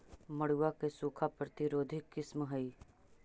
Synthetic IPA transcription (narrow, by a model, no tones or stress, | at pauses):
mɐɽ̤uːakesuːkʰapɾət̪ɪɾoːd̪ʱɪkːɪsmɦɐiː